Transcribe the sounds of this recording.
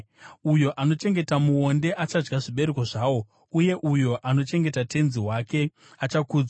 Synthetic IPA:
ujo̞ʔano̞t͡ʃe̞ŋɡe̞tamuo̞nde̞ʔat͡ʃad͡ʒɡaʐiɓe̞ɾeko̞ʐaːwo̞ | uje̞ʔujo̞ʔano̞t͡ʃe̞ŋɡe̞tate̞nziwaːke̞ | at͡ʃakuːd͡za

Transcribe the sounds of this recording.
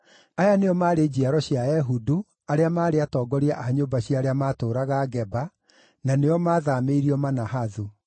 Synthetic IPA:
ajaneɔmaːɾed͡ʑiaɾɔɕjajɛɦudu | aɾeamaːɾeatɔːɡɔɾiaʔaɲoːbaɕjaɾeamaːtoːɾaɣaɡɛba | naneɔmaːðameiɾiɔmanaɦaðu

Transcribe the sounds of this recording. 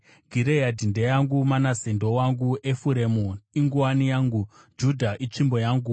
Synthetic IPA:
ɡʱiɾejadʱindejaŋɡumanasendowaŋɡuʔefuɾemoiŋɡuwanijaːŋɡu | d͡ʒudʱaʔit͡ʂimbo̞jaːŋɡu

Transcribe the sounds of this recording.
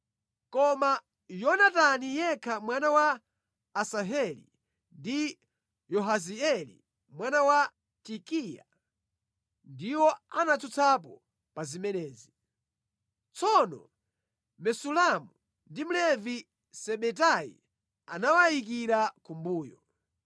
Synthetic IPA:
kɔma | jɔnatanijɛkʰamwanawaː | saɦɛlḭ | ndi | jɔɦaziɛlḭ | mwanawa | tikija̰ | ndiwɔanat͡sʰut͡sʰap̬ɔ | pazimɛnɛːzi | t͡sɔnɔ̰ | mɛsulamu | ndim̩lɛvi | sɛɓɛt̬aḭ | a̰nawaik̬iɾakumbuːjɔ

